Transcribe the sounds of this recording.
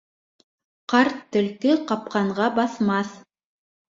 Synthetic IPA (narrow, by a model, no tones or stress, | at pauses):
qɑɾt̪ːɵ̆lkɘqɑp̚qɑɴʁɑbɑθmɑθ